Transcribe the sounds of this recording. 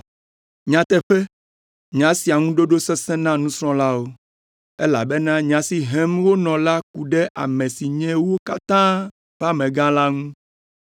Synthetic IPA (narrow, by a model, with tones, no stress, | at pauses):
ɲã˨t̪ɛ˦ɸɛ˦ | ɲ̃˨ã˦si˨a˨ŋũ˦ɖo˦ɖo˦sɛ˦sɛ̃˦nã˦nũ˦sɾ̃ɔ̃˦la˦wo˦ | e˦la̰˨bɛ˦nã˦ɲĩ˨ã˨si˨ɦɛ̃˦mwo˦nɔ̃˨la˦k̚u˨ɖɛ˦ʔa̰˨mɛ̃˨si˨ɲɛ̃˦wo˦ka˦t̪ã˦ | ɸa˦mɛ̃˨ɡã˦la˦ŋũ˦